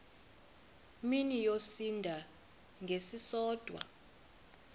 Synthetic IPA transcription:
minijosindʱa | ŋɡʱesisɔːd̥ʱwa̰

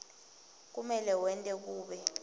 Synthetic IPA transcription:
k̬umɛlɛwɛntʼɛk̬uːɓɛ

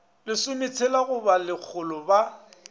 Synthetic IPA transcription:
lɪsʊmɪt͡sʰɛlaɣʊbalɪk͡xʰʊlɔba

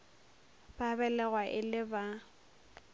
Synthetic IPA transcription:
babɛlɛɣwaʔɪlɪba

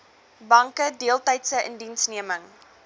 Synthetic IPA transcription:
bɐŋkədiəlˠtɛjtsəʔə̰ndinsniəməŋ

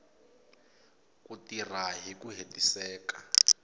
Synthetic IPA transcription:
kutiraɦikuɦetisɛːka

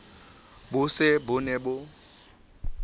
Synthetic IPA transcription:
bʊsɪbʊnɛbʊ

